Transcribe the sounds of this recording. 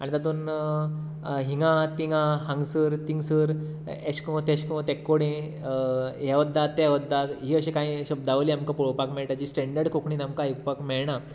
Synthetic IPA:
aɽ̃it̪at̪̬un | ɦiŋɡãt̪iŋɡãɦãŋɡsəɾt̪iŋɡsəɾ | eɕkɔ̃t̪eɕkɔ̃t̪ekːoɽẽ | ɦɛʋəd̪ːat̪eʋəd̪ːaɦiəɕĩkãɦĩɕəbd̪aʋəliamkãpɔɭopakmɛɭʈad͡ʑisʈɛɳɖəɾɽkokʰɳiːnamkaikpakmɛɭɳa

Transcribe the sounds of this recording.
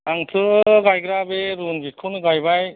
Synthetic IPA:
aŋtʰɯɡajɡɾabeɾunɡikʰunɡajbaj

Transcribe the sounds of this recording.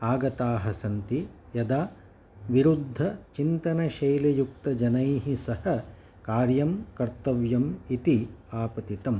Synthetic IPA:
aːɡɐt̪aːɦɐsɐnt̪ijɐd̪aː | ʋiɾud̪ʱːɐt͡ʃint̪ɐnɐʃɐjlejuk̚t̪ɐd͡ʒɐnɐjɦisɐhɐ | kaːɾjɐmkɐɾt̪ɐʋjɐmit̪iaːpɐt̪it̪ɐm

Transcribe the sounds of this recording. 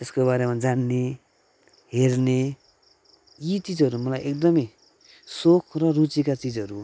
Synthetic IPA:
t̪eskobaɾemad͡zanːe | ɦerne | jit͡sid͡zʌɾumʌlajʔekd̪ʌmʌj | sokʰrʌrut͡sikat͡sid͡zɦʌɾu

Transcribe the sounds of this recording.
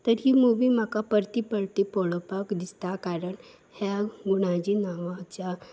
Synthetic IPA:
t̪əɾjimuʋimakapəɾt̪ipɐɭt̪ipɔlopakd̪ɪst̪akaːɾəɳ | hɛɡʊɽad͡ʒinaːʋat͡ʃa

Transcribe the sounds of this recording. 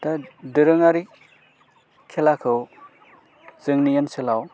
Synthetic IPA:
tadɯɾɯŋaɾi | kʰelakʰɯw | zɯŋnijensɯlaw

